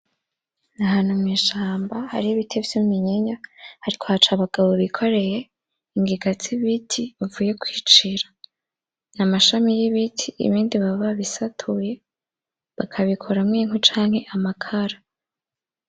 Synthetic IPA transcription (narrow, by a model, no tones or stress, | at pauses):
naɦaːn̥humŋiːʃaːmbaha̰ɾiiβitʰevjumiɲiɲahaɾikʰo̞hat͡ʃaβaɡ̥aβo̞βikʰo̞ɾe̞je̞ | iŋɡiɡat͡siβitʰiβavuːje̞kwiːt͡ʃiɾḁ | namaʃamijiβitʰḭːβiːndiβaβaβisatʰuje̞ | βakʰaβikʰo̞ɾamŋiːŋ̥ut͡ʃaːŋ̥he̞ʔamakʰaɾa